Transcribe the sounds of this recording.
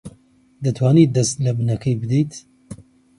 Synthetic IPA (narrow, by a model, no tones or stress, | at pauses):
d̪ɨt̪ʰwɑːniːd̪ɛst̪lɐbɨnɛkʰejbɨd̪it̪